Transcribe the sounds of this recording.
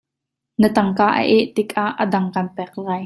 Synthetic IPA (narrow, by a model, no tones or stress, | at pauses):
nət̪ɐŋkaːʔə̰ʔɛʔt̪ɪkʼaʔːədɐŋkɐnpɛk̚laːj